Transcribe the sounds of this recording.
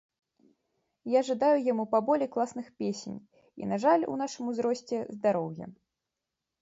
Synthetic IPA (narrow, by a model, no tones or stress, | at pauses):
jaʐɨd̪ajujamupabɔlʲɛjklˠasnɨxpʲesʲḛnʲ | ḭnaʐalʲṵn̪aʂɨmuzɾɔsʲt͡sʲɛzd̪aɾɔwjɛ̰